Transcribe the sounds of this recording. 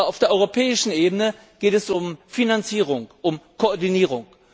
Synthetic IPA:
aʊfd̥eːɐʔɔʁopʰɛːɪʃn̩ʔeːbənə | ɡ̥eːtɛsʊmfinant͡siːʁ̞ʊŋʔʊmkʰoɔɐdiniːʁ̞ʊŋ

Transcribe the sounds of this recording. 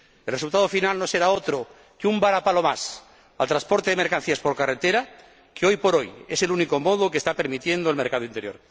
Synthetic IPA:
elresult̪aðofinalno̞seɾaot̪ɾo | keumbaɾapalo̞mas | a̰lt̪ɾãspo̞ɾt̪eðemeɾkan̟θiaspo̞ɾkaret̪eɾa | keo̞jpo̞ɾo̞jeselunikomoðokest̪ape̞ɾmit̪je̞nd̪oelmeɾkað̞oint̪eɾjo̞̰ɾ

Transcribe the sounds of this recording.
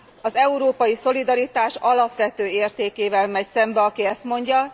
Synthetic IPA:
ɒzɛuɾoːpɒjiso̞lid̪ɒɾit̪aːʃɒlɒpʋɛt̪øːeːrt̪eːkeːvɛlmɛcsɛmbɛɒkiɛst̪mo̞ɲɟɒ

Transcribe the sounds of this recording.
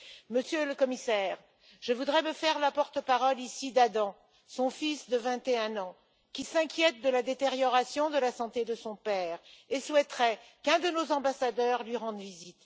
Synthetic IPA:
məsjøləkɔmisɛːʁ | ʒ̥əvud̪ʁɛməfɛʁlapɔʁt̪əpaʁɔlisid̪ad̪ɑ̃ | sɔ̃fisd̪əvɛ̃t̪eɛ̃nɑ̃ | kʲisɛ̃kʲjɛt̪̚d̪əlad̪et̪eʁjɔʁasjɔ̃d̪əlasɑ̃t̪ed̪əsɔ̃pɛːʁeswɛt̪χɛkɛ̃d̪ənozɑ̃basad̪œʁlɥiʁɑ̃d̪vizit̪

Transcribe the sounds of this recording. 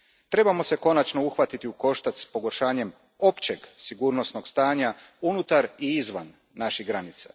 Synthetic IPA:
t̪ɾe̞bamo̞se̞ko̞nat͡ʃno̞uxʋat̪it̪iuko̞ʃt̪at̪spo̞ɡo̞ɾʃaːɲe̞m | o̞pt͡ɕe̞ɡsiɡuːɾno̞snoɡst̪aːɲa | unut̪aɾiizʋa̰nː | aʃiɣɡɾanit̪sa̰

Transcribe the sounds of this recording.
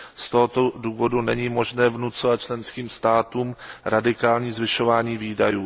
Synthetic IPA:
st̪oɦot̪oduːvo̞dunɛɲiːmo̞ʒnɛːvnut͡sovat̪̚t͡ʃlɛnskiːmst̪aːt̪uːmɾadɪkaːlɲiːzvɪʃo̞vaːɲiːviːdajuː

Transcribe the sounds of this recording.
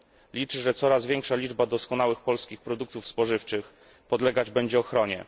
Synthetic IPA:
lʲit͡ʂɘʐɛt̪sɔɾazvʲjɛŋkʂalʲid͡ʐbad̪ɔskɔnawɘxpɔlskʲixpɾɔd̪uk̚t̪ufspɔʐɘft͡ʂɘx | pɔd̪lɛɡad͡ʑbɛɲd͡ʑɛɔxɾɔɲɛ̰

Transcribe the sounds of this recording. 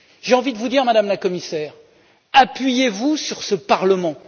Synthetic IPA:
ʒ̥eɑ̃vid̪əvud̪iʁmad̪amlakɔmisɛːʁ | apɥijevusyʁsəpaʁləmɑ̃

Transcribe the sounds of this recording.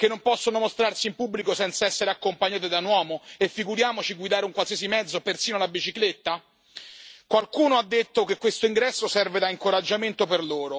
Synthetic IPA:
k̟enːompɔsːonomost̪ɾarsimpubːlikosɛnt̪saɛsːeɾeakːompaɲːaːt̪̬ed̪anwɔːmoefːiɡuɾjaːmot͡ʃiɡwid̪aːɾeuŋkwalsiaz̬imɛd̪zopersiːnoalabit͡ʃiklet̪ːa | kwalkuːnoad̪ːet̪ːokekːwest̪oiŋɡɾɛsːosɛrved̪aiŋkoɾad͡ʒːament̪operloːɾo

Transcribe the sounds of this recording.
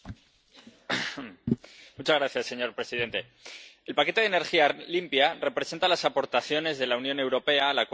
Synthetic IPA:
mut͡ʃazɣɾaθjasːe̞ɲo̞ɾpɾe̞siðe̞nt̪e̞ | elpake̞t̪e̞ðene̞ɾxialimpjare̞pɾe̞se̞nt̪alasapo̞ɾt̪aθjo̞ne̞zðe̞launjõ̞ne̞wɾo̞pe̞aːlak

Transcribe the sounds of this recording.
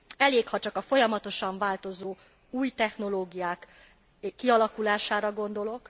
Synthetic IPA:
ɛleːkhɒt͡ʃɒkɒfo̞jɒmɒt̪o̞ʃɒɱvaːlt̪o̞zoː | uːjt̪ɛxno̞loːɡijaːk | kːiɒlɒkulaːʃaːɾɒɡo̞nd̪o̞lo̞k

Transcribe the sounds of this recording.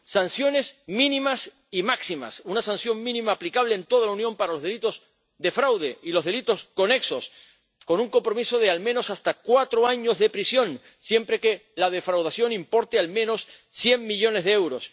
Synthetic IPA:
sansjo̞ne̞smĩnĩmas | imaksima̰sunasansjo̞ŋmĩnĩmaːplikaβ̞le̞ːnt̪o̞ð̞alaunjõ̞mpaɾalo̞zðe̞lit̪o̞z | d̪e̞fɾawðe̞ilo̞zðe̞lit̪o̞sko̞ne̞kso̞s | ko̞nũŋko̞mpɾo̞miso̞ð̞ealmẽno̞sast̪akwat̪ɾoaɲo̞zðe̞pɾisjo̞ŋ | sje̞mpɾe̞ke̞lað̞e̞fɾawð̞asjo̞nimpo̞ɾt̪ealmẽno̞sː | je̞ŋːiʎo̞ne̞zðeewɾo̞s

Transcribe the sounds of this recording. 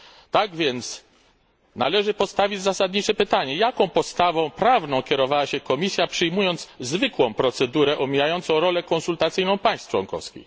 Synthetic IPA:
t̪aɡvʲjɛnt̪s | na̰lɛʐɘpɔst̪avʲid͡ʑzasad̪ɲit͡ʂɛpɘt̪aɲɛjakɔ̃w̃pɔst̪avɔ̃w̃pɾavnɔ̃w̃kʲɛɾɔvawaɕɛkɔmʲisʲjapʂɘjmujɔnd̪zzvɘkwɔ̃w̃pɾɔt̪sɛd̪uɾɛʔɔmʲijajɔnt̪sɔ̃w̃ɾɔlɛkɔnsult̪at̪sɘjnɔ̃w̃paj̃st̪t͡ʂwɔ̰nkɔ̰fskʲḭx

